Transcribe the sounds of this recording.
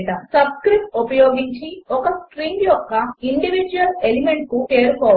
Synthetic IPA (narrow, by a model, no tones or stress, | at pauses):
ʈɐsɐbskɾip̚ʈ̚upɐjoːɡiɲt͡ʃiɔkɐskʈɾiːŋɡjɔkːɐiɳɖiʋid͡ʒuʋɐlelimeɳʈ̚kukeːɾukɔːʋ